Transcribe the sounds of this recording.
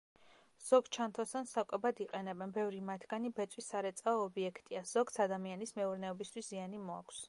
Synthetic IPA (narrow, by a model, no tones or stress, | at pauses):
z̥ɔɡt͡ʃʰant̪ʰɔst̪ʰansakʼɛbad̪iqʼɛnɛbɛnbɛvɾimat̪ʰɡ̥anibɛt̪sʼwisːaɾɛt̪sʼaɔːbiɛkʰt̪ʼiaz̥ɔɡt̪sʰad̪amianismɛuɾnɛɔbist̪ʰwiszianimɔa̰kʰʷs